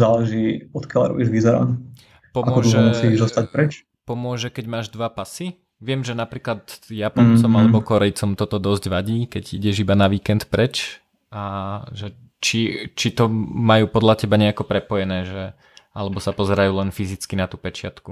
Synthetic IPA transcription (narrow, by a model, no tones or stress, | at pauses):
zaːlɛʒiːɔt̪kjalaɾɔ̰biːʒʋizɛɾa̰n | pɔmʊɔɔʒɛmusizɔst̪ac̚pɾɛt͡ʃ | pɔmʊɔʒɛkɛɟmaːʒd̪ʋapasi | ʋɪɛmʒɛnapɾiːklad̪japɔnt͡sɔmalɛbɔkɔɾɛjt͡sɔmt̪ɔt̪ɔd̪ɔzɟʋaɟiːkɛɟḭɟɛʒibanaʋiːkɛnt̪pɾɛt͡ʃ | aʒɛ | t͡ʃit͡ʃit̪ɔmajuːpɔd̪lacɛbaɲɛakɔpɾɛpɔjɛnɛːʒɛ | alɛbɔsapɔzɛɾajuːlɛnfizit͡skinat̪uːpɛt͡ʃɪat̪ku